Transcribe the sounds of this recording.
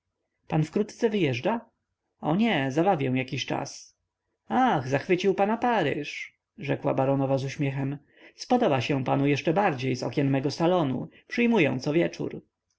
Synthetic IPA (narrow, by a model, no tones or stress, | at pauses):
panfkɾut̪t̪sɛvɘjɛʐd͡ʐa | ɔɲɛzabavʲjɛ̃w̃jakʲiɕt͡ʂa̰s | aɣzaxfɘt͡ɕiwpanapaɾɪ̰ʂ | ʐɛkwa̰baɾɔnɔvazuɕmʲjɛxɛm | spɔd̪ɔbaɕɛ̃panujɛʂt͡ʂɛbaɾd͡ʑejzɔ̰kʲɛnmɛɡɔsalɔnṵpʂɘjmujɔ̰̃w̃t̪sɔvʲjɛt͡ʂṵɾ